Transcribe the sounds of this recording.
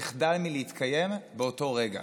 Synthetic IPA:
eχdalmileitkʰaje̞mbeo̞to̞ʁe̞ɡa̰

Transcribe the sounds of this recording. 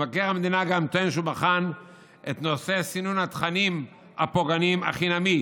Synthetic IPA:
vakeʁamed̪inaɡamt̪oenʃ̬ubaχan | et̪nose̞sinunhat̪χanim | hapoɡanima̰χinami

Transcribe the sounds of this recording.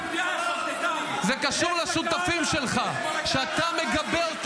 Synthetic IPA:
zekaʃuʁlaʃut̪afimʃelχa | ʃeat̪ame̞ɡabeʁt̪

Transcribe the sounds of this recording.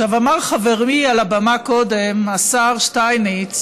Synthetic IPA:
ʃavamaʁχaveʁmialabamakodemasaʁʃtajnet͡s

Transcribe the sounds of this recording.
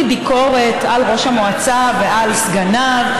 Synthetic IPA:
ibiko̞ʁe̞talʁo̞ʃhamoat͡savealsɡanav

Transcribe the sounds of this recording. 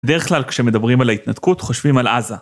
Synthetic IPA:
bed̪e̞ʁeχklalkʃeme̞d̪abʁimalait̪nat̪kutχo̞ʃvimalʔa̰za

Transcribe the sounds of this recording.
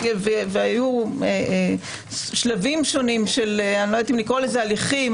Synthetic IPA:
veveajue | ʃlavimʃo̞nimʃeleanlot̪imlikʁolezealiχim

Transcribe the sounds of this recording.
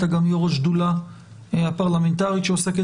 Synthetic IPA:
t̪aɡamjoʁoʃd̪ula | apaʁlame̞nt̪aʁiʃeoseke

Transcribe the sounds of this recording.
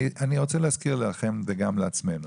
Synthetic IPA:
iʔaniʁo̞t͡selehazkiʁleaχemveɡamleat͡smenu

